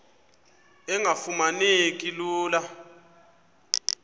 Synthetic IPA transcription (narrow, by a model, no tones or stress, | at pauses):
ɛŋʱafumanekʼiluːla